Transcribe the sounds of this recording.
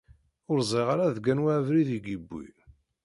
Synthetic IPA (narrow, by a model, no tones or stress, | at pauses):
ʊɾzˤiʁaɾaðɡænwæʕvɾiðiɡibːḭl